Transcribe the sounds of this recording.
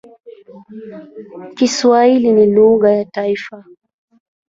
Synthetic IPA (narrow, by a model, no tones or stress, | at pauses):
kiswailiniluɠajataifa